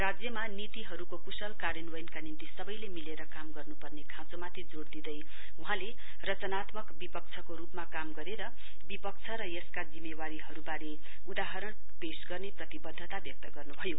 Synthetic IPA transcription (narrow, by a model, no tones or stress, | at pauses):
rad͡zjʌmanit̪iɦʌɾukokusʌlkaɾjʌnwʌjnkanint̪isʌbʌjlemileɾʌkamɡʌrnupʌrnekʰãt͡somat̪ʰid͡zoɽd̪id̪ʌj | uɦãle | rʌt͡sʌnat̪mʌkbipʌkt͡sʰʌkoɾupmakamɡʌɾeɾʌ | bipʌk̚t͡sʰʌɾʌjʌskad͡zimːewaɾiɦʌɾubaɾe | ud̪aɦʌɾʌɳ | pesɡʌrneprʌt̪ibʌd̪ʱːʌt̪abjʌk̚t̪ʌɡʌrnubʱʌjo